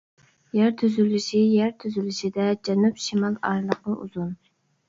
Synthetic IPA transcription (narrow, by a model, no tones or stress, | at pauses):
jæɾt̪ʰyzylɪʃijæɾt̪ʰyzylɪʃid̪ɛd͡ʒɛnupʃimɑlˠɑ̰ɾlˠəq̚nɨʔṵzun